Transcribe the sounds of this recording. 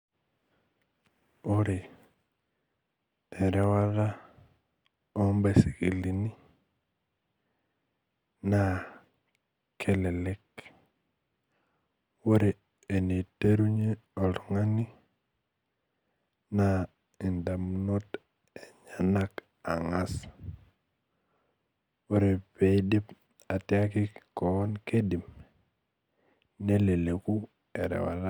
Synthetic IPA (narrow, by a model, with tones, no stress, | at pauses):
o˦ɾe˨ | ɛ˨ɾɛ˦wa˦ða˦ | ɔ˦mbe˦si˨ki˨li˨ni˦ | na˦ | kʰɛ˦lɛ˨lɛ˦k | wo˦ɾe˨ | e˨ne˨te˦ɾu˦ɲe˦o˨lu˨ŋa˦ni˦ | na˦ | i˨nda˨mno˦t | e˨ɲana˦k | a˨ŋa˦s | wo˦ɾe˨pe˨di˦p | a˨ti˦a˦ki˦ko˨˦nke˦di˨m | ne˦le˨le˨ku˦ | e˨ɾḛ˨wa̰˨la˦